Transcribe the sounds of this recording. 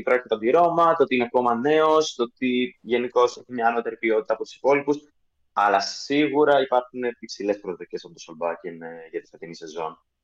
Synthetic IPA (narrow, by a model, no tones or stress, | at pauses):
ipɾoçit̪et̪ɐd̪iɾo̞mɐt̪ot̪iineɐko̞mɐne̞o̞st̪ot̪iʝe̞niko̞se̞çimɲɐːno̞t̪e̞ɾipio̞t̪it̪ɐpo̞t̪u̥si̥po̞lipus | ɐlɐiɣuɾɐipɐɾxune̞ipsile̞spɾoðoicesɐpo̞t̪osolbɐcenʝɐt̪i̥sɐt̪inise̞zo̞̰n